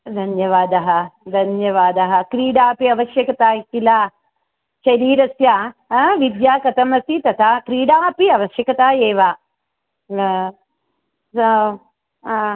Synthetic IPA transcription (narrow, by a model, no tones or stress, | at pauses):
d̪ʱɐnjɐʋaːd̪ɐɦɐ̆d̪ʱɐnjɐʋaːd̪ɐɦɐ̆kɾiːɖaːpiɐʋɐʃjɐkɐt̪aːik̪ːilaː | ʃɐɾiːɾɐsjaːʋid̪jaːkɐt̪ɐmɐsit̪ɐt̪ʰaːkɾiːɖaːpiɐʋɐʃjɐkɐt̪aːeːʋaː | sɐ